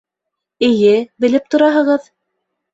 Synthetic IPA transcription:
ɘ̆jɘbɘ̆lɘp̚t̪ŏɾɑɦɤ̆ʁɤð

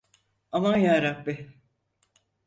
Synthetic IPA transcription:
avanjaːɾabːɪ

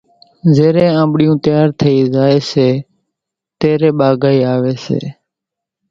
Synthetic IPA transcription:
zeːɾẽːãːmbɽɪjũːt̪jaːɾt̪ʰəiːzaːeːseː | t̪eːɾeːɓaːɡaːiːaːʋeːsḛː

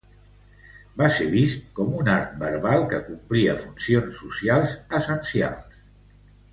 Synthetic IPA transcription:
baseβist̪̚kɔmunaɾk̪̚bəɾβalˠkəkumpliəfunsionsːusialˠzəsənsia̰lˠs

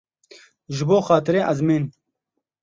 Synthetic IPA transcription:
ʒɪboːxaːt̪ɪɾeːʔɐzmeːn

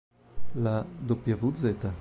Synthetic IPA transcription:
lad̪opjavud̪zet̪a

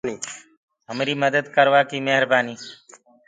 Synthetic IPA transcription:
niː | ɦəmɾiːməd̪əd̪kəɾʋaːkiːmeɦɾbaːniː

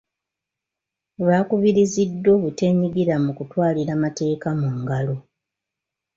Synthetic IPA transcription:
βaːkuβiɾizidːo̞ːβute̞ɲiɡiɾamukutwaːliɾamate̞ːkamuŋɡalo̞

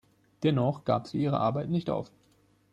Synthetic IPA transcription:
d̥ɛnɔχɡ̥a̰ːpz̥ḭːʔiːʁ̞ə̰ʔaɐbaɪtnɪçtʔa̰ʊf

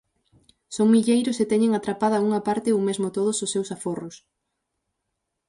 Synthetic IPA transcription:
soŋmiʎejɾʊset̪ɛɲeŋat̪ɾapaðɐuŋɐpaɾt̪ɪowmezmʊt̪oð̞ʊsʊsːewsaforʊs

